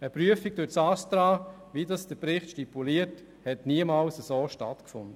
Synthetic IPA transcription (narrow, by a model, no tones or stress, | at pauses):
əpɾyəfik̚d̥ʊɾsɑstɾɑː | ʋidɑsd̥əpɾɪχtʃtipuliːəɾt | hɛtniəmɑːlsəsoːʃtɑ̰tkfʊnd̥ə